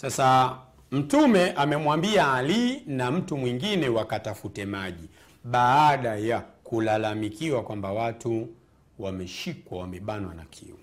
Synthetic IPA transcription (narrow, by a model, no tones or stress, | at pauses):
sasa | m̩tumɛʔamɛmwambiaːlinam̩tumwiŋɡinɛwakatafutɛmaʄi | ɓaːɗajakulalamikiwakwambawatu | wamɛʃikwawamɛɓanwana̰kʰḭu